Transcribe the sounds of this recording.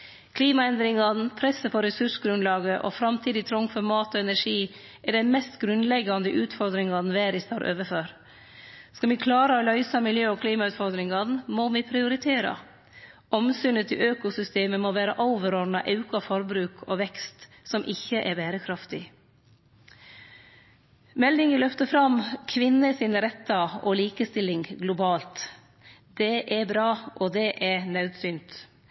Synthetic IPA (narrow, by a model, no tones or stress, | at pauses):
kʰliːmɑɛnd̪ɾɪŋɑd̪n̩pʰɾɛsːəpʰɔɾɛsʉʂɡɾʉnlɑːɡəʔɔ̰fɾɑmt̪ʰiːd̪ɪt̪ʰɾɔŋːfɔɾmɑːt̪ɔːɛnæʂiː | ʔɛɖæɪmɛst̪ɡɾʉnlɛɡːɑnd̪əʔʉːt̪fɔɾd̪ɾɪŋɑd̪n̩ʋæːɾɪst̪ʰɑːɾʔø̰ːʋəføːɾ | skɑʋɪkʰlɑːɾəɔlœʏsɑmɪljøːɔkʰliːmɑʉːt̪fɔɾd̪ɾɪŋɑnnmoʋɪpʰɾɪʊɾɪt̪ʰeːɾɑ̰ | ʔɔmsyːnət̪ʰɪøːkʊsʏst̪eːməmoʋæːɾəʔoʊʋəɾɔɖnɑʔɑʉkʊɑfɔɾbɾʉːkʰɔʋɛkst̪ | sɔmʔɪçːəʔɛɾbæːɾəkʰɾɑft̪ɪ | mɛld̪ɪŋəlœft̪əfɾɑmkʰʋɪnːəsɪnəɾɛt̪ːɑɔliːkəst̪ɪlɪŋɡlʊbɑːlt̪ | d̪̥ɛʔɛbɾɑːʔɔd̪ɛʔɛɾnɑʉd̪sʏnt̪